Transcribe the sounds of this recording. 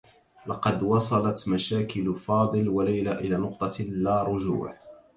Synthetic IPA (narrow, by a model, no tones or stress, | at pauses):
lɑqɑd̪wɑsˤɑlɑt̪maʃaːkɪlfɑːd̪ˤɨlwalajlaʔɪlaːnʊqt̪ˤɑlːaːɾˤʊʒṵːʕ